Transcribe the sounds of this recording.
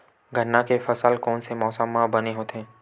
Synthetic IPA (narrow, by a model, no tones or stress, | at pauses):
ɡʱənːakefɐsəlkɔːnsemɔːsəmːabɐneɦoːt̪eɦɛ̃ː